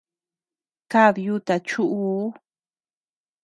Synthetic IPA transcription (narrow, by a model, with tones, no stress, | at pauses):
ka˦ðju˦t̪a˨t͡ʃu˦ʔu˧˦